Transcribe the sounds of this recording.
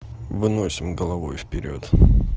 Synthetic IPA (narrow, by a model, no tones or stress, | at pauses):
vɨnosʲɪmɡəlˠɐvo̞̰jfpʲɪɾʲo̞̰t̪